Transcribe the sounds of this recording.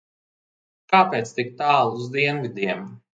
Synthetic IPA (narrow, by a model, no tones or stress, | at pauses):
kaːpeːt̪st̪ik̚t̪aːlˠuzd̪iɛnvid̪iɛm